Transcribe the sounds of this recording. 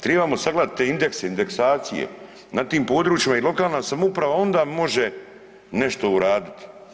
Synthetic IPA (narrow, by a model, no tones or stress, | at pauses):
t̪ɾeːbamo̞saɡlˠad̪t̪ːeind̪e̞kseind̪eksaːt̪sijḛ | nat̪iːmpo̞ːd̪ɾuːt͡ʃjimailˠo̞kaːlnasamoupɾaʋao̞nd̪aːmo̞ʒe̞ | ne̞ʃt̪o̞uɾaːd̪it̪i̥